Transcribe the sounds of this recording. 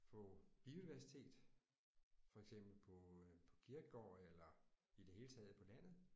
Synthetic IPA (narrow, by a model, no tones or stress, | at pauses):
fɔ̽b̥io̝udiʋæɐsi̥t͡sʰe̝̰ːd̥ | fɒ̽eɡ̥sem̰b̥l̩pʰɒ̽pʰɒ̽kʰiɐɡ̥ɡ̥ɒ̰ːelɐid̥e̝he̝ːlət͡sʰɛ̰ːð̞̩ˠpʰɒ̽læn̰ð̩ˠ